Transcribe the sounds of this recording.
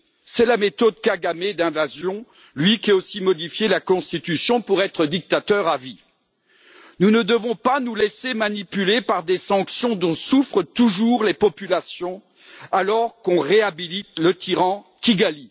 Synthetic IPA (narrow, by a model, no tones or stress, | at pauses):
sɛlamet̪ɔd̪̚kaɡamed̪ɛ̃vazjɔ̃ | lɥikʲiaosimɔd̪ifjelakɔ̃st̪it̪ysjɔ̃puʁɛt̪χəd̪ik̚t̪at̪œʁavi | nunəd̪əvɔ̃panulesemanipylepaʁd̪esɑ̃ksjɔ̃d̪ɔ̃sufχət̪uʒuʁlepɔpylasjɔ̃ | alɔʁkɔ̃ʁeabilit̪lət̪ʰiʁɑ̃ | kʲiɡali